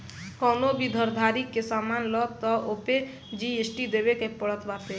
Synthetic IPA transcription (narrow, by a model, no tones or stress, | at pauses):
kɔːnobʱid̪ʱəɾd̪ʱaɾikːesamanlɔt̪ːɔope | d͡ʒiesʈid̪ebekepəɽət̪bat̪e